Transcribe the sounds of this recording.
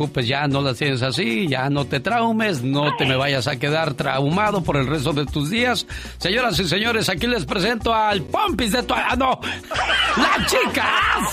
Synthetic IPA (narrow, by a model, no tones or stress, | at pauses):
upesʝano̞last̪jenes̬asiʝano̞t̪e̞t̪ɾawme̞sno̞t̪e̞me̞βaʝasake̞ðaɾt̪ɾa̰wmaðo̞po̞ɾe̞lre̞s̬t̪o̞ðe̞t̪uzðiasː | eɲo̞ɾas̬is̬e̞ɲo̞ɾe̞sakile̞spɾe̞s̬e̞nt̪oalpompizðe̞t̪uaano | lat͡ʃika